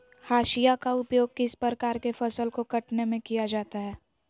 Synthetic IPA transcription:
haːʃijakaʊpjoːɡ̚kɪspɾɾkaːɾkefɐsəlkokɐʈnemẽkijad͡ʒaːt̪aɦɛː

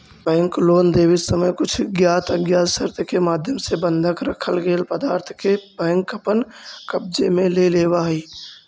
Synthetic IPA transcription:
bɛ̃ːŋkloːnd̪eːwɪsəməjkʊt͡ʃʰɡjaːt̪əɡjaːsəɾt̪kemaːd̪ʱjəmsebə̃nd̪ʱəkɾəkʰəlɡeːlpəd̪aːɾt̪ʰkebɛ̃ːŋkəpən | kəb̚d͡ʒemẽleleːwaːɦiː

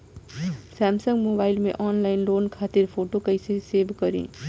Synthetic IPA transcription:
sɛːmsə̃ŋɡmoːbaːɪlmḛ̃ʔɔːnlaːɪnɖoːnkʰaːt̪ɪɾpʰoːʈokɐiseseːʋkɐɾḛ̃ː

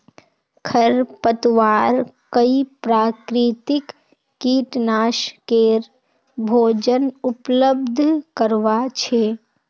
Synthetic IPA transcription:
kʰəɾpət̪ʋaːɾkəipɾaːkɾit̪ɪkː | iːʈnaːʃkeɾ | bʱoːd͡ʒənʊpləb̚d̪ʱkəɾʋat͡ʃʰeː

